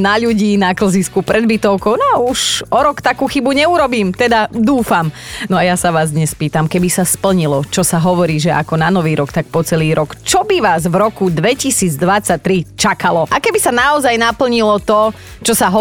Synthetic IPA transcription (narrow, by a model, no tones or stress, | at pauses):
naʎuɟiːnakl̩ziskupɾɛd̪bit̪ɔʊkɔʊnɔuʃɔɾɔkt̪akuːxibuɲɛuɾɔbiːmt̪ɛd̪ad̪uːfam | nɔajasaʋaːzd̪ɲɛspiːt̪amkɛbisaspl̩ɲilɔt͡ʃɔsaɦɔʋɔɾiːʒɛʔa̰kɔnanɔʋiːɾɔkt̪ak̚pɔt͡sɛliːɾɔkt͡ʃɔbiʋaːzʋɾɔkud̪ʋɛcisiːd͡zd̪ʋat͡sac̚t̪ɾit͡ʃakalɔʔakɛbisanaɔzajnapl̩ɲilɔt̪ɔ | t͡ʃɔsaɦɔ